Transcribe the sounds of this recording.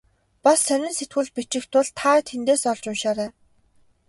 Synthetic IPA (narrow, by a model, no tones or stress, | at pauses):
pasːœnʲɪ̆nset̪ɡɘ̆ɮpit͡ɕɪ̆kt̪ʊɮt̪ʰːaːt̪ʰent̪eːsɔɮt͡ɕʊnʃaːɾæː